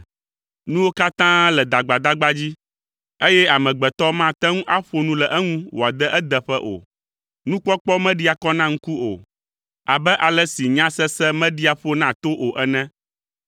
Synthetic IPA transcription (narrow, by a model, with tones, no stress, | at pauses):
nũ˦wo˦ka˦t̪ã˦lɛ˨d̪a˨ɡ͡ba˨d̪a˦ɡ͡ba˦d͡ʑi˦ | e˦jɛ˦a˨mɛ̃˨ɡ͡bɛ˨t̪ɔ˦mã˦˨t̪ɛ˦ŋũ˦ʔa˦ɸo˦nũ˦lɛ˨ʔɛ˦ŋũ˦wo˨a˨d̪ɛ˦ʔɛ˦d̪ɛ˨ɸɛ˦ʔo̰˨ | nũ˦k͡pɔ˦k͡pɔ˦mɛ̃˦ɖi˦a˨kɔ˦nã˦ŋ̩̃˦ku˦o̰˨ | a˨bɛ˦ʔa˨lɛ˦si˨ɲã˦sɛ˦sɛ˦mɛ̃˦ɖi˦a˨ɸo˦nã˦t̪o˦ʔo˨ʔɛ˦nɛ̃˦